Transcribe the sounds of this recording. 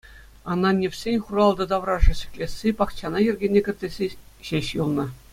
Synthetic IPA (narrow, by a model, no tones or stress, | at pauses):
ɑnːɑnʲefʲsʲenʲχurɑlˠd̪ɤ̆d̪ɑʋrɑʐɤ̆ɕĭ̥kʲlʲesʲːepɑkt͡ɕɑnɑjy̆rʲɡʲenʲːekʲɘ̆rʲdʲĕzʲeɕeɕjulˠnɤ̆